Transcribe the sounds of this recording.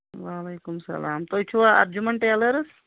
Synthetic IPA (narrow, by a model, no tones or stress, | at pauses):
ʋaːleːkumsɐ̰laːmt̪ojt͡ʃʰuʋaɐ̰ɾd͡ʒumeɳʈealəɾs